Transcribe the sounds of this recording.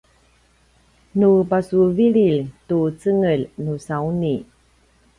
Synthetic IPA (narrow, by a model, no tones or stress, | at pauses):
nupasuviɭiltut͡səŋəlnusawuni